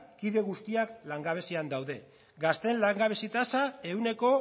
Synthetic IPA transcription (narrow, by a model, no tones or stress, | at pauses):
kiðe̞ɣ̞ust̪iaklaŋɡaβ̞e̞siand̪awðe̞ | ɡast̪e̞nlaŋɡaβe̞sit̪asae̞une̞ko̞